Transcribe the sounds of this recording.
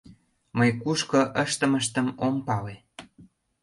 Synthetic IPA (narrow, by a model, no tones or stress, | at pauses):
məjkuʃkɤ̆ʔəʃt̪ə̆məʃt̪əmompɑle